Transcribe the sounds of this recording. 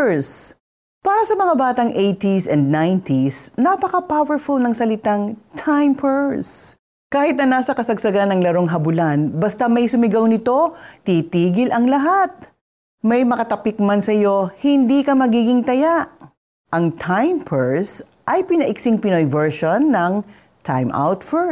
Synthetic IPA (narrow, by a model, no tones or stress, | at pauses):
s | paːɾɐsɐmɐŋabaːt̪ɐŋʔejt̪isɛnd̪̚najnt̪isnɐpɐkɐpawɛɹfulnɐŋsɐlɪt̪aŋt̪ʰajmpʰɛɹs | kaːhɪt̪̚nɐnaːsɐkɐsɐɡ̚sɐɡanːɐŋlɐɾo̞ŋɦɐbʊlanbɐst̪amɐjsʊmɪɡɐwnɪt̪o̞t̪it̪iːɡɪlʔɐŋlɐɦat̪̚ | mɐjmɐkɐt̪ɐpɪk̚mɐnsɐjo̞hɪnd̪ikɐmɐɡiːɡɪŋt̪ɐjaʔ | ʔɐŋt̪ʰajmpʰɛɹs | ʔɐjpɪnɐʔɪksɪŋpɪnojvɛɹʃonːɐŋ | t̪ʰa̰jmʔa̰wt̪fɛ